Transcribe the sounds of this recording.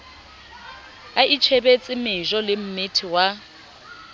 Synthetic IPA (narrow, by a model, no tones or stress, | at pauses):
aʔit͡ʃʰebet͡sʼɪmɪʒɔlɪm̩mɪtʰiwa